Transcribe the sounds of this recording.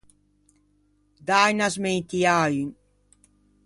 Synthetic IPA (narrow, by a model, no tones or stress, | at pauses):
d̪ajnasmejt̪iaːyn